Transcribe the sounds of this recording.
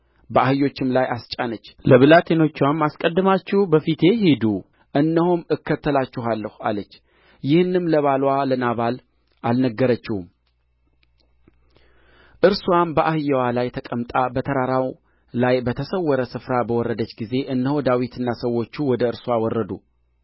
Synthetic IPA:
bəʔahɨjːo̞t͡ʃːɪmlajast͡ʃʼanət͡ʃːləβɨlat̪ʰeno̞t͡ʃːwamːaskʼəd̪ːɨmat͡ʃːɪhbəfit̪ʰe̞hed̪u | ʔɨnːəhumɨkːət̪ːəlat͡ʃːɪɦalːəhua̰lət͡ʃː | jɪhɨnːɨmləβalwalənaβal | ʔalnəɡːəɾət͡ʃːɪhum | ʔɨɾswambəʔahɨjːəwalajt̪ʰəkʼəmt̪ʼabət̪ʰəɾaɾaw | lajbət̪ʰəsəwːɔɾəsɨfɾabəwɔɾːəd̪ət͡ʃːɡize̞ʔɨnːəhod̪awit̪ʰɨnːasəwːo̞t͡ʃːuwɔd̪əɨɾswawɔrːəd̪u

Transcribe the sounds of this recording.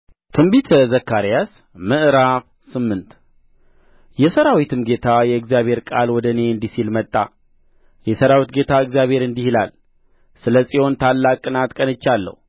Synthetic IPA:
t̪ʰɨmbit̪ʰzəkːaɾijas | mɨʔɾaf | sɨmːɨnt̪ | jɛsəɾawit̪ʰɨmɡe̞t̪ʰajɛɨɡzijaβhe̞ɾkʼalwɔd̪əne̞ɨnd̪isilmət̪ʼːa̰ | jɛsəɾawit̪̚ɡe̞t̪ʰaɨɡzijaβhe̞ɾɨnd̪ihila̰l | sɨləsʼiho̞nt̪ʰalːakʼɨnat̪kʼənɨt͡ʃːalːə̰hu

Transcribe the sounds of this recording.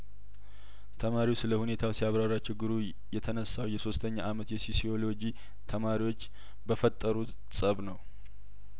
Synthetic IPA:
t̪ʰəmaɾiwsɨləhune̞t̪ʰawsijaβɾaɾat͡ʃɪɡːɨɾu | jɛt̪ʰənəsawjɛso̞st̪ʰəɲːaʔamət̪jɛsisio̞lo̞d͡ʒi | t̪ʰəmaɾiwo̞t͡ʃː | bəfət̪ʼːəɾut̪ | sʼəβnəw

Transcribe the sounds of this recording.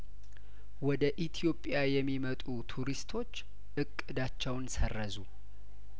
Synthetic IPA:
wɔd̪əʔit̪ʰijo̞pʼjajɛmːimət̪ʼut̪ʰuɾist̪ʰo̞t͡ʃː | ʔɨkʼːɨd̪at͡ʃːɛwnsərːəzu

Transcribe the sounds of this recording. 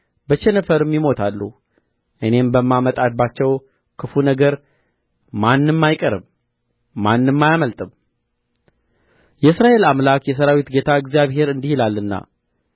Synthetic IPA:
bət͡ʃɛnəfəɾɨmːimo̞t̪ʰalːu | ʔɨne̞mbəmːamət̪ʼad̪̚bat͡ʃːɛw | kʰɨfunəɡəɾ | manːɨmːajkʼəɾɨ̰mː | anːɨmːajaməlt̪ʼɨm | jɛɨsɾaʔe̞lamlakjɛs̬əɾawit̪ɡe̞t̪ʰaɨəɡzjaβɦe̞ɾɨnd̪ihilalːɨnːa̰

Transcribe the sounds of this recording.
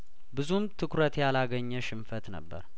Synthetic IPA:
bɨzumt̪ʰɨkɾət̪jalaɡəɲːɛʃɪmfət̪nə̰bːə̰ɾ

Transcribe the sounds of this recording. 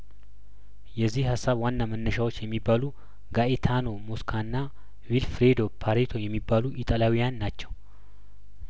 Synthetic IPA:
jɛzːihhasːaβwanːamənːəʃawo̞t͡ʃːjɛmːibːalu | ɡaʔet̪ʰano̞moskʰanːa | vilfɾed̪o̞pʰaɾet̪ʰo̞jɛmːibːaluʔit̪ʼalawijanːat͡ʃːɛw

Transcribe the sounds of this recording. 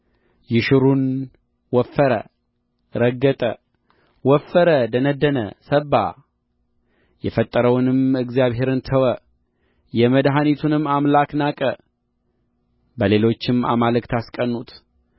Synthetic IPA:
jɪʃɨɾun | wɔfːəɾə̰ | ɾəɡːət̪ʼə̰ | wɔfːəɾəd̪ənəd̪ːənə̰səbːa̰ | jɛfət̪ʼːəɾəwnɨmɨɡzijaβɦe̞ɾɨnt̪ʰəwə | jɛməd̪ɦanit̪ʰunɨmːamlaknakʼə | bəle̞lo̞t͡ʃːɪma̰malɨkt̪ʰaskʼənːut̪

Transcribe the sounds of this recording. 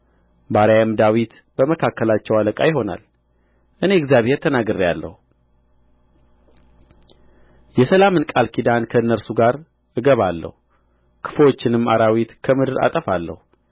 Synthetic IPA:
baɾjaəmd̪awit̪ | bəməkʰakːəlat͡ʃːɛwaləkʼajɪɦo̞na̰l | ʔɨne̞ɨɡzjaβhe̞ɾt̪ʰənaɡɨɾijalːə̰hu | jɛsəlamɨnkʼalkʰid̪ankʰəɨnːəɾsuɡaɾ | ʔɨɡəβalːə̰hu | kʰɨ̥fwot͡ʃːɪnɨmːaɾawit̪kʰəmɨd̪ɨɾa̰t̪ʼəfalːə̰hu

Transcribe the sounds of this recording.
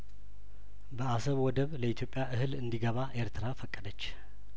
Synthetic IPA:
bəasəβwɔd̪əβləit̪ʰjopʼːjaʔɨhɨlɨnd̪iɡəβaʔe̞ɾt̪ʰɨɾafəkʼːəd̪ət͡ʃː

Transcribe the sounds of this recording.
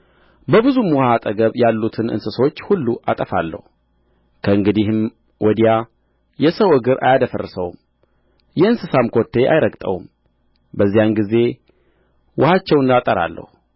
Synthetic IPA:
bəbɨzumwʊhat̪ʼəɡəβjalːut̪ʰɨnʔɨ̰nsɨsot͡ʃːhulːuʔat̪ʼəfa̰lːə̰hu | kʰəɨŋɡɨd̪ihɨm | wɔd̪ija | jɛsəwɨɡɨɾʔa̰jad̪əfərsəwm | jɛɨnsɨsamkʰo̞t̪ʰːe̞ʔa̰jɾəɡʼt̪ʼə̰wṵm | bəzːijamɡize̞ | wʊhat͡ʃːɛwɨnd̪at̪ʼəɾa̰lːə̰hu

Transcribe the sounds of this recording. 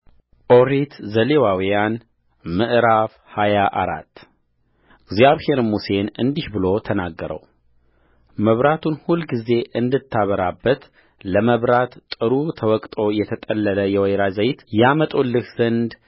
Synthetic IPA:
ʔoɾit̪zəlewawijan | mɨʔɾaf | hajaʔa̰ɾa̰t̪ː | ɡzjaβhe̞ɾmuse̞nɨnd̪ihbɨlo̞t̪ʰənaɡːəɾə̰w | məβɾat̪ʰunhulɡize̞ʔɨnd̪ɨt̪ʰːaβəɾabːət̪ | ləməβɾat̪t̪ʼɨɾut̪ʰəwɔkʼt̪ʼo̞jɛt̪ʰət̪ʼəlːələjɛwɛjɾazəjt̪jamət̪ʼolːɨhz̥ənd̪

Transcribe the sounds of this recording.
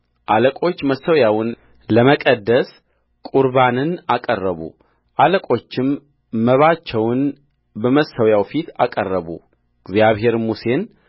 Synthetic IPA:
ʔaləkʼo̞t͡ʃːməsəwjawn | ləməkʼəd̪ːəs | kʼuɾbanɨnakʼərːəβṵ | ʔaləkʼo̞t͡ʃːɪmː | əβat͡ʃːɛwn | bəməsəwjawfit̪akʼərːəβṵ | ɡzjaβɦe̞ɾmuse̞n

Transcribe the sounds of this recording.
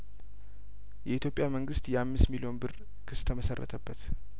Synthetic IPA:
jɛʔit̪ʰjo̞pʼjaməŋɡɨst̪jɛʔamːɨst̪milio̞nbɨr | kʰɨst̪ʰəməsərːʔə̰t̪ʰəbːət̪

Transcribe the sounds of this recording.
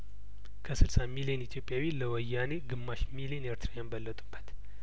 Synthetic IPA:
kʰəsɨlsamilijenit̪ʰjo̞pʼːjawiləwɔjːaneɡɨmːaʃmilijeneɾt̪ʰɾaɲanbəlːət̪ʼɨb̥ət̪

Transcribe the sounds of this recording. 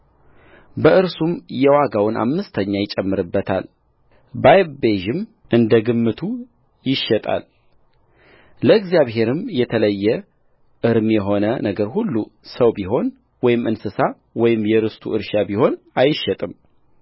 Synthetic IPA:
bəʔɨɾsumjɛwaɡawʊnʔa̰mːɨst̪ʰəɲːajɪt͡ʃʼːɛmːɨɾɨbːət̪ʰa̰l | bajbeʒɪm | ʔɨnd̪əɡɨmːɨt̪ʰu | jɪʃːɛt̪ʼa̰l | ləɨɡzijaβɦe̞ɾɨmjɛt̪ʰələjːɛ | ʔɨɾmjɛɦo̞nənəɡəɾhulːusəwbiɦo̞n | wɔjɪmɨnsɨsa | wɔjɪmjɛɾɨst̪ʰṵɨɾʃabiho̞n | ajɪʃːɛt̪ʼɨm

